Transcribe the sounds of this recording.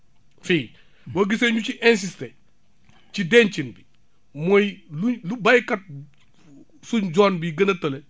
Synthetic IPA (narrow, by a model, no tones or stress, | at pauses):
fiː | wɐɡiseɲut͡ʃiʔɛns̬istɛ | t͡ʃidɛnt͡ʃinbi | mɔjlulubɐjkɐt̚ | sund͡ʒɔnbiɡɐnɐtːɐlɛ